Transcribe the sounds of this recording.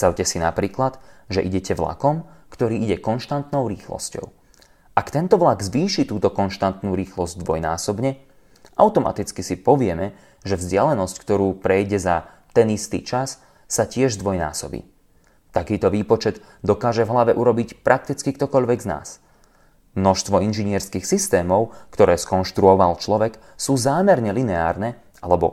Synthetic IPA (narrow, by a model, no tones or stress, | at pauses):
sawcɛsinapɾiːklad̪ʒɛʔiɟɛcɛʋla̰kɔmkt̪ɔɾiːiɟɛkɔnʃt̪ant̪nɔʊɾiːxlɔ̰scɔ̰ʊ | ʔakt̪ɛnt̪ɔʋlaɡzʋiːʃit̪uːt̪ɔkɔnʃt̪ant̪nuːɾiːxlɔzɟd̪ʋɔjna̰ːsɔbɲɛ | ʔaʊt̪ɔma̰t̪it͡skisipɔʋɪɛmɛ | ʒɛvzɟɪalɛnɔsckt̪ɔɾuːpɾɛjɟɛza | t̪ɛnist̪ḭːt͡ʃasː | acɪɛʒzd̪ʋɔjna̰ːsɔ̰bḭː | t̪akiːt̪ɔʋiːpɔt͡ʃɛd̪ | d̪ɔkaːʒɛvɦlaʋɛʔuɾɔbicpɾak̚t̪it͡skikt̪ɔkɔʎʋɛɡzna̰ːs | mnɔʃst̪ʋɔinʒiɲɪɛɾskixsist̪ɛːmɔʊkt̪ɔɾɛːskɔnʃt̪ɾuɔʋalt͡ʃlɔʋɛk | suːzaːmɛɾɲɛlinɛaːɾnɛ | ʔalɛbɔ̰